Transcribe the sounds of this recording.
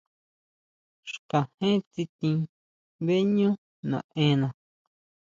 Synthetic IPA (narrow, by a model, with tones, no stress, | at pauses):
ʂkã˨hẽ˦t͡si˧t̪ĩ˧ | βe˦ɲũ˦ | nã̰˨ʔẽ˧˦nã˨